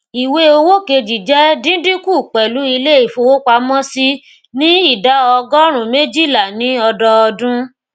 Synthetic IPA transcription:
i˨we˧o˧wo˦ke˧d͡ʒi˨d͡ʒɛ˨˦dĩ˦dĩ˦ku˦˨k͡pɛ˨lu˨˦i˧le˦i˦˨fo˧wo˦k͡pa˧mɔ̃˦si˦ | nĩ˦i˦˨da˨˦ɔ˧ɡɔ˦ɾ̃ũ˨me˦d͡ʒi˦˨la˨nĩ˨˦ɔ˧dɔ˧ɔ˧dũ˦

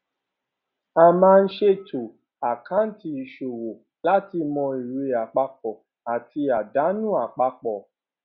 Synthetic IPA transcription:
a˧mãː˦˧n̩˦ʃe˦tʰo˨ | a˨kã˦n̩˦ti˧˨ʃo˨wo˨ | la˦ti˧mɔ̃˧i˨ɾe˨˧a˨k͡pa˧k͡p̚ɔ˨ | a˨ti˧a˨da˨˦nũ˦˨a˨k͡pa˧k͡pɔ˨

